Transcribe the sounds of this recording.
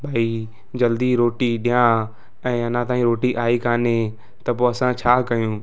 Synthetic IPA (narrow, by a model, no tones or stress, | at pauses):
bʱaːi | d͡ʑɐld̪iɾoːʈiɗijã | ɛ̃ːɐnãt̪ãːĩɾoːʈiʔaːikaːne | t̪ɐpoːɐsãt͡ɕʰaːkɐjũː